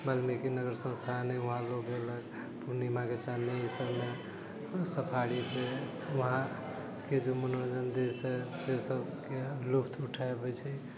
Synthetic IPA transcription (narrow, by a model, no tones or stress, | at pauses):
balmikenəɡəɾsə̃nst̪ʰanəuɦãloɡelək | puɾnimãket͡ʃaneɦisəbme | səpʰaɽipe | uɦã | ked͡ʒomunənd͡ʒənd̪esɦɛsesəbkelupʰt̪ʰuʈʰaebɛt͡ʃʰɛ